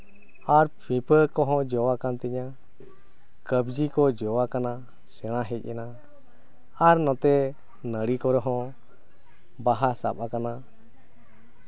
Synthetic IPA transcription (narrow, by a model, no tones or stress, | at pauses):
aɾpʰĩpʰəkɔɦɔ̃d͡ʒɔwakant̪ɛɲa | kəbd͡ʒikɔd͡ʒɔwakana | sɛɽ̃ãɦɛc̚ˀɛna | aɾnɔ̃t̪ɛ | nəɽikɔɾɔɦɔ̃ | baɦasa̰pakana